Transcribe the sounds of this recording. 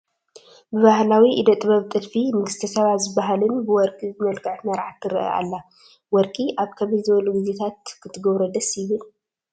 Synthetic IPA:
bɨβahlawiʔid̪ɐt̪ʼɨβɐβt̪ʼɨlfimɨɡɨst̪ʰɐsɐβazɨbːaɦalɨnbɨwɔɾkʼiɨmɐlkʰʼɨʕt̪mɐɾʕat̪ːɨɾɨ̰ʔɐ̰ʔa̰lːa | wɔɾkʼiʔaβkʰɐβizɨβɐluɡizet̪ʰat̪̚kʰɨt̪ʰːɨɡɐβɾɐd̪ɐsjɪβɨl

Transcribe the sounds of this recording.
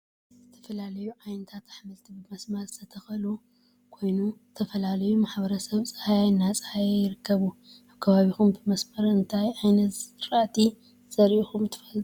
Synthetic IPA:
zɨt̪ʰɐ̥fɐlalɐjuʕajnɐt̪ʰat̪aħmɐlt̪ʰibɨmɐsmɐɾzɨ̥t̪ʰɐt̪ʰɐxɐlu | kʰo̞jnuzɨt̪ʰɐfɐlalɐjumaħbɐɾɐsɐβt͡sʼɨhajajnːat͡sʼɨ̥hajjɪɾɨkʰːɐβuaβkʰɐβaβixumbɨmɐsmɐɾɨnt̪ʰajʔajnɐt̪ɾat̪ʰi | z̥ɐɾiixumt̪ʰɨ̥fɐl

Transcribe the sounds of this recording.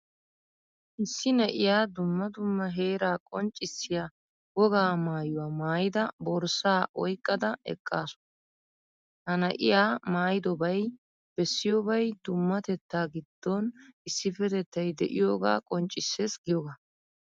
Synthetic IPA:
ʔɪsːɪnɛʔɪjaːd̪ʊmːɐd̪ʊmːɐɦe̞ːɾaːkʼɔnt͡ʃʼːɪsːɪja | wɔɡaːmaːjʊwaːmaːjɪd̪ɐbɔɾsaːʔɔjkʼːɐd̪ɐɛ̰kʼːaːsʊ̥ | hɐnɐʔɪ̰jaːmaːjɪd̪ɔbɐj | b̥ɛsːɪjɔbɐjd̪ʊmːɐt̪ɛt̪ːaːɡɪd̪̥ːɔnʔɪsːɪfɛt̪ɛt̪ːɐjd̪ɛʔɪjoːɡa̰ːkʼɔnt͡ʃʼːɪsːeːsɡɪjɔɡaː

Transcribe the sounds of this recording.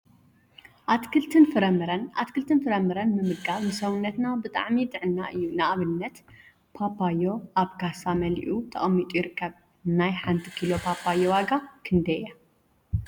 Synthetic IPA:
ʔat̪kʰɨlt̪ʰɨnfɨɾɐmɨɾɐnʔa̰t̪kʰɨlt̪ʰɨnfɨɾɐmɨɾɐnmɨmɨɡaβnɨsɐwunːɐt̪nabɨt̪ʼa̰ʕmid̪ɨʕɨnːaʔɨjːunaʔaβɨnːɐt̪ | pʰapʰːajːo̞ʔaβkʰasamɐlḭʔut̪ʰɐχʼɐmːit̪ʼujɪɾɨkʰːɐβ | najħant̪ʰɨ̥kʰilo̞pʰapʰːajːo̞waɡakʰɨnd̪ɐja

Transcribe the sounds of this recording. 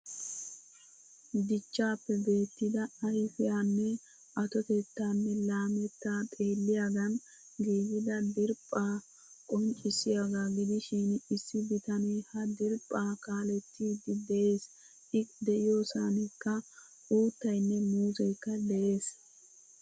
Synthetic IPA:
d̪ɪt͡ʃːaːpːɛbe̞ːt̪ːɪd̪ɐɐjfɪjaːnːɛ | ʔɐt̪ɔt̪ɛt̪ːaːnːɛlaːmɛt̪ːaːt̪ʼe̞ːlːɪjaːɡɐn | ɡeːzɪd̪ɐd̪ɪɾpʼːaː | kʼɔnt͡ʃʼːɪsːɪjaɡaːɡɪd̪ɪʃiːnɪsːɪbɪt̪ɐnɛjhɐd̪ɪɾpʼːaːkaːlɛt̪ːiːd̪ɪd̪ɛʔe̞ːs | ɪd̪ɛʔɪjo̞ːsanɪkːɐ | uːt̪ːɐjnːɛmuːzɛjkːɐd̪ɛʔe̞ːs

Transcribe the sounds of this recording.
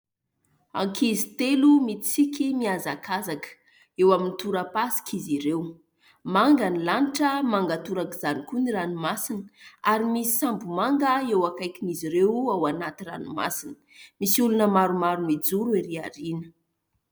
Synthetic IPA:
a̰ŋkʰizit̪elumit͡sikimiazakʰazakə̥ | ewaminit̪uɾapasi̥kʰiziɾew | maŋɡanilaniʈ͡ʂəmaŋɡat̪uɾakizanikuniɾanumasinə̥aɾimisi̥sambumaŋɡəewakajkʲiniziɾewawanat̪ira̰numa̰sinə̥misiulunəmaɾumaɾumid͡zuɾueɾiaɾinə̥

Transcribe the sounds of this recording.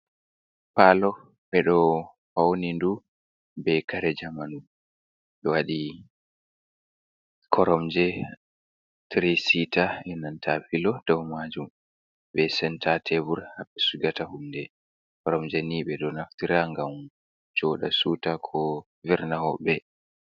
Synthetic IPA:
palɔ | ɓɛɗɔ | hawonindu | bɛkaɾɛd͡ʒamanum | ɗɔwaɗi | kʰɔɾɔmd͡ʒɛ | tɾesitaʔɛnantʰafilɔd̥ɔwmad͡ʒum | ɓɛsɛntʰatʰebuɾhaɓɛsuɡatahumdɛ | kɔɾɔmd͡ʒɛniɓɛɗɔnaftiɾaŋɡam | d͡ʒɔɗa̰suːtakʰɔ | viɾnahɔɓɛ

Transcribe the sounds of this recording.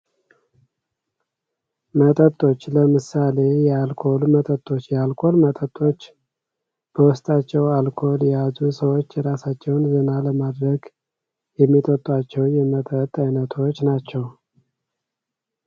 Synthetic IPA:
mət̪ʼət̪ʼːo̞t͡ʃːləmɨsale̞jɛalkʰo̞lmət̪ʼət̪ʼːo̞t͡ʃːjɛalkʰo̞lmət̪ʼət̪ʼːo̞t͡ʃː | b̥əwʊst̪ʼat͡ʃːɛwalkʰo̞ljɛjazusəwo̞t͡ʃːɛɾasat͡ʃːɛwnzɨnaləmad̪ɾəɡ | jɛmːit̪ʼət̪ʼːat͡ʃːɛwjɛmət̪ʼət̪ʼːajnət̪ʰo̞t͡ʃːnat͡ʃːɛw

